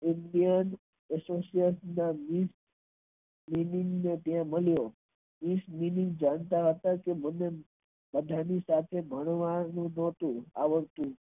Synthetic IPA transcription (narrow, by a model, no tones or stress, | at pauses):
ɪnd̪ijən | ɛsosiəsnamis | minĩŋɡnet̪jãməljo | misminĩŋɡ̚d͡ʒãɳt̪aɦət̪akeməne | bəd̪ʱanisat̪ʰebʱəɳ̃ʋanũnɔt̪ũa̰ʋəɾt̪ũ